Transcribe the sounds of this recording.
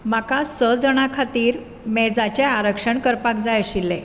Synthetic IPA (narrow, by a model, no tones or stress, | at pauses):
makasəd͡zəɽ̃akʰat̪iːɾ | mɛd͡zat͡ɕeaɾəkʂəɳkəɾpak̚d͡zajəɕilːe